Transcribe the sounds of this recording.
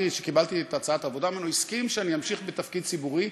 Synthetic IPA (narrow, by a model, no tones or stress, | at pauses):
iʃekibalt̪ietat͡saat̪avo̞damenoiskimʃeanijamʃiχbet̪afkid̪̚t͡sibuʁi